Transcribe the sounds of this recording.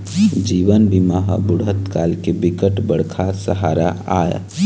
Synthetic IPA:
d͡ʒiʋənbimaɦbuɽət̪kalkebikəʈbəɽ̤kʰasəɦaɾa̰a̰j̰

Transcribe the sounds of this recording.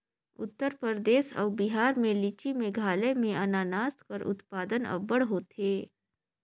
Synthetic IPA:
ṵt̪ːəɾpəɾd̪esa̰wbiɦaɾmelit͡ɕimeɡʱalemeʔənanast̪kəɾṵt̪pad̪ənə̰bəɽɦot̪ʰe

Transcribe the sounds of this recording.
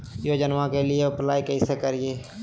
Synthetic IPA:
joːd͡ʒənʋãkelɪeʊplaːikeɪsekəɾieː

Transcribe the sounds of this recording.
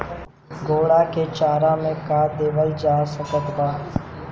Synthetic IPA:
ɡoːɽaket͡ʃaːɾamẽkad̪eːʋəld͡ʒaːsəkət̪ɡaː

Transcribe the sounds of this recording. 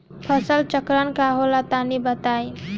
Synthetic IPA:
pʰəsəlt͡ʃəkɾənkaɦolat̪anibət̪aj

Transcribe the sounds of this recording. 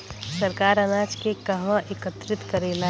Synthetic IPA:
səɾkaːɾənaːd͡ʒkekəɦʋãʔekət̪ɾɪt̪kəɾeːla

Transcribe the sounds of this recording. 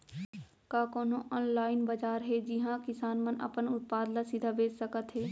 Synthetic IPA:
kakoːnõʔɔːnlaːɪnbɐd͡ʒaːɾɦɛd͡ʒɪɦãkɪsaːnmənɐ̰pənʊt̪̚paːd̪lasɪd̪ʱabeːd͡ʒsəkət̪ɦɛː

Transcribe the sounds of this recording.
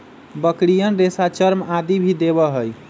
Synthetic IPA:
bəkɽijənɾesat͡ʃəɾmad̪ibʱid̪ebəɦəj

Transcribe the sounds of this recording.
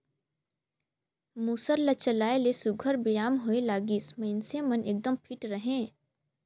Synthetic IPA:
muːsəɾlət͡ʃəlaːelesʊɡʱəɾbɪjaːmɦoelaːɡisməɪnsemənʔeːk̚d̪əmpʰɪʈɾəɦẽː

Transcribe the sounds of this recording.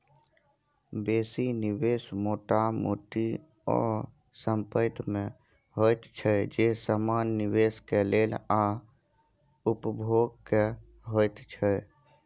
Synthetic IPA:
beːsinibesmoʈamo̰ʈi | ɔ̰ | səmpət̪mẽ | ɦojt̪t͡ʃʰɛd͡ʒesəmanːiʋeskelela | upəbʱoɡ̚ke | ɦojt̪t͡ʃʰə

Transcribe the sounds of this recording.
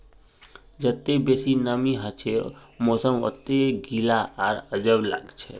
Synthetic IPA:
d͡ʒət̪ːebesinəmiɦat͡ʃʰemosəmo̰t̪ːeɡʱilaaɾəd͡ʒəʋla̰ɡt͡ʃʰḛ

